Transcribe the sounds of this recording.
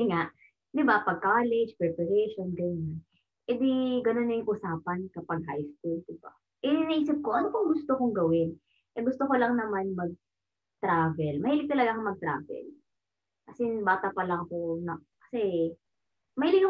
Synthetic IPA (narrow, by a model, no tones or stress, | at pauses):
ŋaʔ | d̪ɪbapɐɡ̚kaːlɛd͡ʒpɛpɐɾɛʃonɡɐnon | ʔɛd̪iɡɐno̞nːɐjŋʔʔʊsaːpɐnkɐpɐɡ̚ɦa̰jskuld̪ɪb̥a | ʔɛnɪnɐʔiːsɐp̚koʔɐnokoŋɡʊst̪okoŋɡɐwɪn | ʔɛɡʊst̪okolɐŋnɐmanmɐɡ̚ | t̪ɾaːvɛlmɐhiːlɪk̚t̪ɐlɐɡakomɐɡ̚t̪ɾa̰ːvɛ̰l | kɐsɛbaːt̪ɐpɐlɐŋɐko̞nɐ | kɐ̥sɛ | mɐhiːlɪɡk